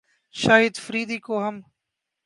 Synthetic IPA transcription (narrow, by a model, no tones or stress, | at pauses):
ʃaːɦɪd̪fəɾiːd̪iːkoːɦəm